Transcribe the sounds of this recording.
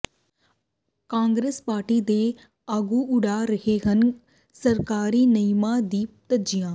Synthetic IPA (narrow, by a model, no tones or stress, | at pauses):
kãːŋɡɾeːspaːɾʈid̪eː | aɡuʊɽaɾɐɦeɦɐn | sɐɾkaːɾinɐjmad̪iːp̚t̪ɐd͡ʒijãː